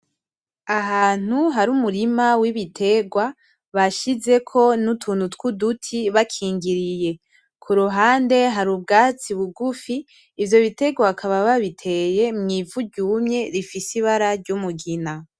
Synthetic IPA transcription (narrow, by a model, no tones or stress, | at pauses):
aɦaːn̥uɦaɾumuɾimawiβitʰe̞ɡwa | βaʃize̞kʰo̞nutʰuːn̥hutkudutʰiβakʰiːŋɡiɾije̞ | kʰuɾuɦaːnde̞ɦaɾubɡaːt͡siβuɡufiː | vjo̞βite̞ɡwakʰaβaβaβitʰe̞je̞mŋiːvuɟɟuːmɲe̞ɾifisiβaɾaɾɟumuɡina